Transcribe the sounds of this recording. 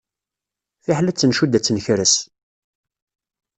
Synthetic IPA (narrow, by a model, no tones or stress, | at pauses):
θiħlæt͡sːənʃud̪æt͡sːənçɾəs